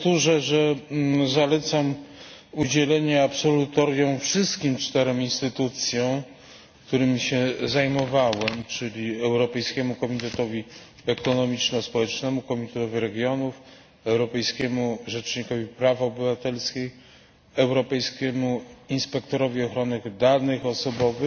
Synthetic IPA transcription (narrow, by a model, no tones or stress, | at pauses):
t̪uʐɛʐɛzalɛt̪samud͡ʑɛlɛɲɛapsɔlut̪ɔɾjɔ̃w̃fʂɘst̪kʲimt͡ʂt̪ɛɾɔ̃w̃inst̪ɘt̪ut̪sʲjɔ̃w̃ | kt̪uɾɘmʲiɕɛzajmɔvawɛmt͡ʂɘlʲiɛwɾɔpɛjskʲɛmukɔmʲit̪ɛt̪ɔvʲi | ɛkɔnɔmʲit͡ʂnɔspɔwɛt͡ʂnɛmukɔmʲit̪ɛt̪ɔvʲiɾɛɡʲjɔnuf | ɛwɾɔpɛjskʲɛmuʐɛt͡ʂɲikɔvʲipɾavɔbɘvat̪ɛlskʲe | ɛwɾɔpɛjskʲɛmuinspɛk̚t̪ɔɾɔvʲiɔxɾɔnɘd̪anɘxɔsɔbɔvɘx